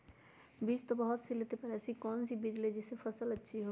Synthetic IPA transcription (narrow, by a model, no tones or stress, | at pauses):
biːd͡ʒt̪obəɦʊt̪silet̪epəɾɛsikɔːnsibid͡ʒled͡ʒesepʰəsələtːʃʰiɦo